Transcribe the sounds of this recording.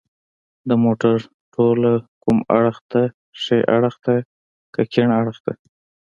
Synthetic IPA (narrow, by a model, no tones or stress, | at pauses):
d̪əmoʈaɾ | ʈʰolakuma̰ɽxd̪a | ʂeʔa̰ɽəxd̪e | kakeɳaɽəxd̪a